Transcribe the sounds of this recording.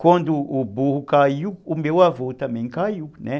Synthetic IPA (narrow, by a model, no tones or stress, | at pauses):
kond̪uːbuhukaiwkumbewavot̪ameɲkaiuunɛ